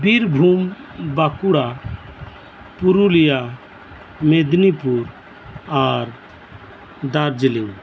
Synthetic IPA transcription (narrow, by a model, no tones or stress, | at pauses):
biɾbʱumbakuɽa | puɾulija | med̪nipuɾ | aɾ | d̪aɾd͡ʒliŋ